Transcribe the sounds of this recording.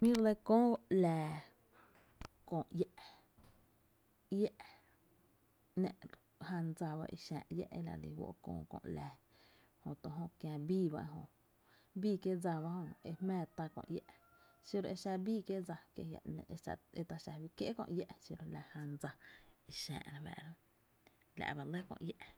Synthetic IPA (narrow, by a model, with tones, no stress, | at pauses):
mĩ˦ɾd̪e˧kõː˦˧˨lɛː˨ | kõː˧˨ʔjɛ˦ʔ | jɛ˦ʔ | nɛ̃˧˨ʔ | ha˧nd͡za˧ba̰˧ʔḭ˧ʃã̰ː˧˨ʔjɛ̰˦ʔe˦la̰˨lḭ˧˨wo̰˧ʔkõ̰ː˧˨kõ̰˧˨ʔlɛː˨ | hõ˧˨t̪o˧ɦõ˧kjã˧biː˦˨ba˧ʔe˧ɦõ˧ | biː˦kje˦d͡za˧βa˧˦hõ˧e˧hmɛ̃ː˧˨t̪a˧kõ̰˧ʔjɛ˦ʔ | si˧ɾo˧e˧ʃa˧biː˦kje˦d͡za˧kjḛ˧ja̰˨ʔnḛ̃˧ʔe˧a̰˧e˧t̪a˧ʃa˧bi˧kje˦ʔkõ̰˧ʔjɛ˦ʔsi˧ɾo˧la˧ha˧nd͡za˧i˧ʃɛ̰̃ː˧˨ʔɾã˧bɛ̰˧˨ɾã˦ | la̰˧˨ba˧le˦kõ̰˧ʔjɛ˦˧ʔ